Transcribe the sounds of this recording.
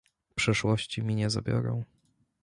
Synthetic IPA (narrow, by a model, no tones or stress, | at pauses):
pʂɛʂwɔɕt͡ɕimʲiɲɛza̰bʲjɔ̰ɾɔ̰̃w̃